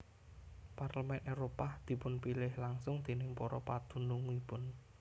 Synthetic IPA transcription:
parləmɛnʔewɾopad̪̥i̤pʊnpilɪhlaŋsʊŋd̪̥e̤nɪŋpɔɾɔpad̪̥ṳnʊŋipʊn

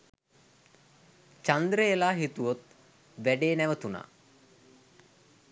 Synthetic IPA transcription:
t͡ʃand̪ɾəelaːɦit̪uʋot̪̚ | ʋæɖeːnæʋət̪una̰ː

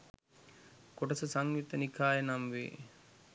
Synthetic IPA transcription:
koʈɐsəsaŋʋit̪ənikʰaːjenamʋḛː

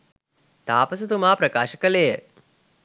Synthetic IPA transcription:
t̪aːpəs̬ut̪umaːpɾɐkaːʃəkəlejə

